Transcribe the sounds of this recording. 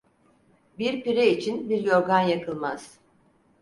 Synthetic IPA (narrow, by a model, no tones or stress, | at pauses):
biɾpiɾeit͡ʃʰinbiɾjo̞ɾɡanjakʰɯlˠmaz̥